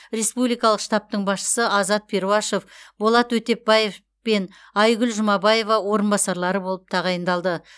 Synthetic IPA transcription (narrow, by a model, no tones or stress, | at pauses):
ɾe̞spublijkɑlˠəqʃt̪ɑp̚t̪əɴbɑsʃə̥səʔɑzɑt̪̚pʰe̞ɾuɑʃo̞fbolˠɑt̪wɵt̪e̞p̚bɑje̞f | pe̞n | ɑjɡʲʏlʒʊmɑbɑje̞vɑwo̞ɾənbɑsɑɾlˠɑɾəbo̞lˠəp̚t̪ʰɑʁɑjənd̪ɑlˠd̪ə